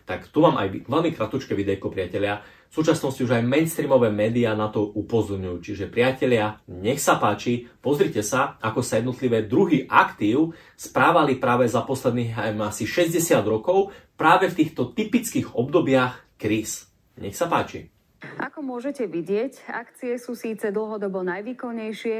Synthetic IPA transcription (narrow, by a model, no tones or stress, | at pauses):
t̪akt̪uʋaːmʔa̰jʋɛlmikɾat̪ut͡ʃkɛʋid̪ɛkɔpɾɪacɛʎɪa | fsuːt͡ʃasnɔsciuʒajmɛnst̪ɾiːmɔʋɛːmɛːd̪iaːnat̪ɔupɔzɔɾɲujuːt͡ʃiʒɛpɾɪacɛʎɪaɲɛxsapaːt͡ʃipɔzɾicɛsaakɔsajɛd̪nɔt̪liʋɛːd̪ɾuɦiʔa̰kt̪iːʊ | spɾaːʋalipɾaːʋɛzapɔslɛd̪niɣamasiʃɛzɟɛsɪad̪ɾɔkɔʊpɾaːʋɛft̪iːxt̪ɔt̪ipit͡skiɣɔbd̪ɔbɪaxkɾiːs | ɲɛ̰xsapaːt͡ʃḭ | ʔakɔmʊɔʒɛcɛʋiɟɪɛca̰kt͡siɛsuːsiːt͡sɛd̪l̩ˠɦɔd̪ɔbɔnajʋiːkɔɲːɛjʃɪɛ